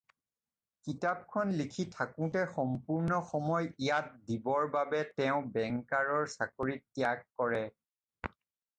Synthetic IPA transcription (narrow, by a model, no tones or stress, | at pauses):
kitap̚kʰɔnlikʰitʰakʊ̃tɛxɔmpuɹnɔxɔmɔjijat̚dibɔɹbabɛtɛʊ̃bɛŋkaɹɔɹsakoɹitːijakːɔɹɛ